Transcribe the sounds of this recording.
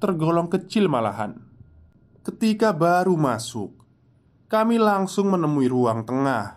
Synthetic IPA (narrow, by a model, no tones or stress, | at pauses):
t̪ərɡɔlɔŋkət͡ʃɪlmala̰ɦa̰n | kət̪ikabaɾumasʊ̰k̚ | kamilaŋsʊŋmənəmuiɾuaŋt̪əŋah